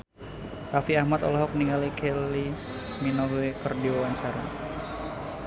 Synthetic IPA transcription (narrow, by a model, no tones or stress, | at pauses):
rafiahmat̪ɔ̰lɔɦɔk̚niŋalikʰeli | minoɦwekərdiwawaɲt͡ʃaɾa